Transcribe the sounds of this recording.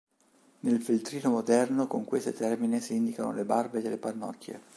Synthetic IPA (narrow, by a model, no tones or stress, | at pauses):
nelfilt̪ɾiːnomod̪ɛrnokoŋkwest̪ot̪ɛrminesiind̪ikano̰lebarbed̪elːepanːɔ̰kʰːjḛ